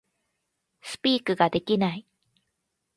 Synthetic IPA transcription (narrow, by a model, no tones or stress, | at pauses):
sɨ̥pʲiːkɯ̟ɡad̪e̞kʲinai